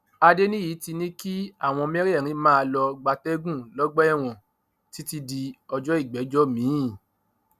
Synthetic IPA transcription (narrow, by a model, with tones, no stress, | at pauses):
a˧de˦nĩ˦ji˨˦ti˧nĩ˦ki˦a˦˨w̃ɔ̃˧mɛ̃˦ɾi˦ɛ˦˨ɾ̃ĩ˧˦mã˦a˧lɔ˧ɡ͡ba˧tɛ˦ɡũ˦˨lɔ˦ɡ͡bɛ˦ɛ˦˨w̃ɔ̃˨ | ti˨˦ti˧di˧ɔ˧d͡ʒɔ˦i˦˨ɡ͡bɛ˨˦d͡ʒɔ˦mĩ˨˦˨